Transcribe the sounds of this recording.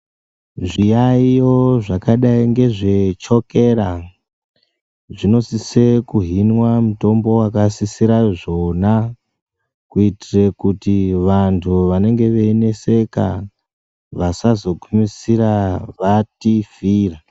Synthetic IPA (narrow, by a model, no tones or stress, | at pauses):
ʐijaijoʐakaɗaiŋɡe̞ʐet͡ʃo̞ke̞ɾa | ʐino̞sise̞kuɦinwamuto̞mbo̞wakasisiɾaʐo̞na | kuitire̞kutiʋantʰuʋane̞ŋɡe̞ʋe̞ine̞se̞ka | ʋasazo̞kumisiɾaʋatifiːra